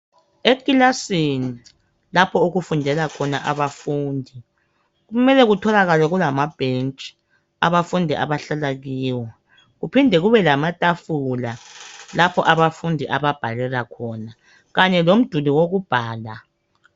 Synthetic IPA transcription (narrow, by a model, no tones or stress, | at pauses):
ekʼilasini | lapʰɔuɣufundʱɛlakʰɔnaʔaβafuːndʱi | ɣumɛlɛɣutʰɔlaɣalɔɣulamab̥ʱent͡ʃʼi̥ | a̰βafundʱiʔa̰βaɬalaɣiːwɔ | ɣupʰindʱɛɣuβɛlamatʼafulalapʰɔʔaβafundʱiʔaβab̥ʱalɛlakʰɔːna | ɣaɲɛlom̩d̥ʱuliwoɣub̥ʱaːla